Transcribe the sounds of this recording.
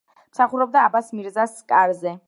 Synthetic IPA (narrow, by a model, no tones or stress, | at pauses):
m̥saχuɾɔb̚d̪aːbasmiɾzaskʼaɾzɛ